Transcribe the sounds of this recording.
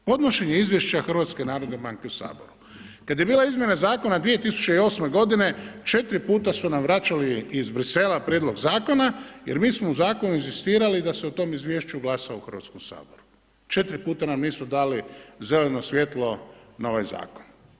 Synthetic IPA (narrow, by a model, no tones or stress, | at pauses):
po̞d̪no̞ʃe̞ɲeizʋjeʃt͡ɕaxr̩ʋat̪skenaːɾod̪nebaŋkeusa̰ːboɾu | kad̪je̞biːlaizmje̞nazaːko̞nad̪ʋie̞t̪isu̥t͡ʃeio̞ːsme̞ɡo̞d̪ine̞t͡ʃe̞t̪ɾipuːt̪asunamʋɾat͡ʃaliːzbɾise̞lapɾjed̪loɡzaːko̞najeɾmiːsmouzaːkonuinzist̪iːɾalid̪aseut̪o̞ːmizʋʲjeːʃt͡ʃuɡlˠasaouxr̩ʋat̪skomsa̰ːboɾu | t͡ʃe̞t̪ɾipuːt̪anamniːsud̪aːlize̞lenosʋje̞t̪lo̞nao̞ʋa̰jza̰ːkon